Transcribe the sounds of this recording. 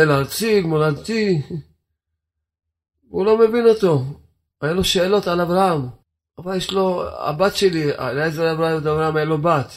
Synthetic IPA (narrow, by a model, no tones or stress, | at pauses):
elːɾt͡siɡmoladt̪i | vulo̞mevinot̪o̞ | ajuloʃeːlo̞t̪alavɾaam | avaljeʃloa̰bat̪ʃelia̰lezeavɾaaot̪avɾahamajalobat̪